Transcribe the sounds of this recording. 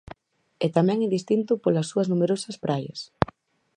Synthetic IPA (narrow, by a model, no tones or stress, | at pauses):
ɛt̪amɛ̃ŋɛðist̪int̪ʊpolɐsːuɐznumeɾosɐspɾajɐ̰s